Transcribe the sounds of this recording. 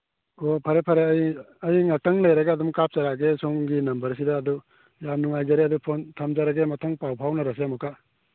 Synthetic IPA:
opʰɐɾepʰɐɾej | ɐjŋɐtɐŋlɐjɾɐɡaːdumkap̚t͡ʃaɾaɡesoŋɡinɐmbɐɾsidɐːdu | jamnuŋajd͡ʒaɾeɐdupʰontʰɐmzaɾɐɡemɐtʰɐŋpawpʰawnɐɾɐs̬emukʰa

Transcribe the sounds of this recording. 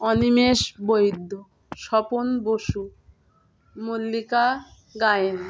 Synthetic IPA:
ɔnimeʃbojd̪ʱːo | ʃɔponboʃu | molːika | ɡaen

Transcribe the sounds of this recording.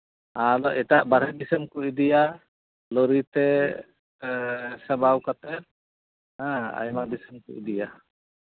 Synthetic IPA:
alɔʔɛʈaʔbaɾɦɛdisəmkuʔid̪ija | lɔɾit̪ɛ | sabawkat̪ɛɾ | ãa̰jmadisəmkṵʔidija

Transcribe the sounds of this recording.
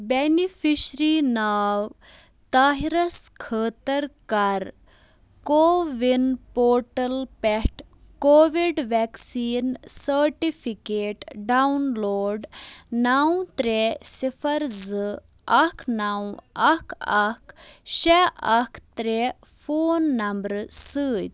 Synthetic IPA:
benifʰiɕɾinaːw | t̪aːɦiɾɐskʰəːt̪ɐɾkɐɾ | koːʋinpoːʈɐlpɛʈ | koːʋiɖʋɛksiːnsəɾʈifʰikeːʈɖawnloːɖnɐw̃t̪ɾesifʰɐɾzɨ | ɐkʰnɐwɐkʰɐkʃɛʔɐkʰt̪ɾe | fʰoːnːɐmbɾsɨːt̪

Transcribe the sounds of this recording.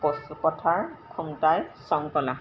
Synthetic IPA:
pɔsupɔtʰaɹkʰɔmtajsɔŋkɔla

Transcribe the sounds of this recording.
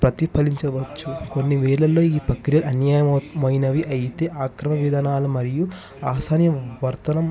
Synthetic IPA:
pɾɐt̪ipʰɐliɲt͡ʃɐʋɐt͡ʃːuko̞nːiʋɛːɭɐlːo̞ːiːpɐkɾjɐlɐnjaːjɐmmɐjinɐʋiʔɐjit̪e̞ːʔaːkɾɐmɐʋid̪ʱɐnaːlumɐɾiju | aːsaːnjɐʋɐɾt̪ɐnɐm

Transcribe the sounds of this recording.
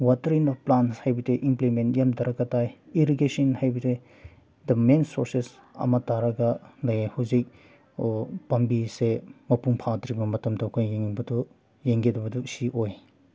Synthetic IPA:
watɐɾinɔfplanshajbitʰeʔimplimentjamdɐɾɐkːɐtajiɾiɡesinhajbitʰe | dɐmensoɾses | ɐ̰mɐtaɾɐɡɐnajahuzik̚ | pɐmbisemɐpuŋpʰadɾibɐmɐtɐmtʰakʰajjeŋibɐdu | jeŋɡedɐbɐdusiʔoj

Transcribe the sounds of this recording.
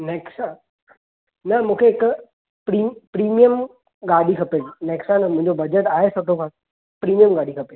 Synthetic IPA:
neːksa | nɐmũːkʰeːk | pɾipɾiːmijəm | ɡaːɗikʰɐpenɛːksãnəmʊ̃ɦɪ̃ɲd͡ʑobɐd͡ʑəʈaːɦesoːʈʰõkʰãː | pɾiːmijəmɡaːɽikʰɐpe

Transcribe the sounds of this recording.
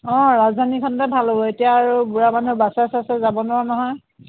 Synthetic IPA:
ɔ̃ɹazdʱanikʰɔntɛbʱalobɔetijaːɹubuɹamanubasasɛasɛzabɔnɔanɔɦɔj

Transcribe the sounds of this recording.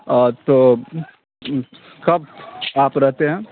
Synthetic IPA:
t̪oː | kɐb̚aːpɾɛɦt̪eɦɛ̃ː

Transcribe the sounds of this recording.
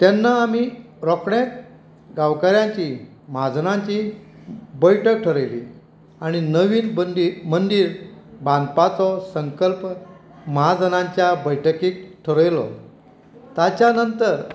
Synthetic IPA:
t̪janːaːmi | ɾɔkɳek̪̚ | ɡawkaɾjãɲt͡ɕi | mad͡znãɲt͡ɕi | bəjʈʰək̚ʈʰəɾəjlḭ | aɽ̃inəʋiːnd̪imənd̪iːɾbãnd̪pat͡sɔsəŋkəlp | mad͡zənãɲt͡ɕjabəjʈʰəkiːk̚ʈʰəɾəjlɔ̰ | t̪at͡ɕjanənt̪əɾ

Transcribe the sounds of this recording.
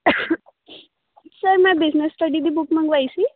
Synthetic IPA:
səɾmabid͡znesʈəɖid̪iːbukməɡʋajsi

